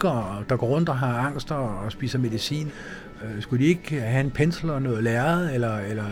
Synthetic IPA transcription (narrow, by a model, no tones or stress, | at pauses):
ɡ̥ɐd̥ɑ̈ɡ̥ɒ̰ːɔ̽n̰d̥ɒɦɑ̈ɑ̈ŋ̰sd̥ɒːsb̥ḭːsɐme̝ðˠisḭːn | sɡ̥ud̥ie̝ɡ̥hæe̝npʰenslɐnɔ̽ːð̩ˠlæɐð̩ˠelɐelɐ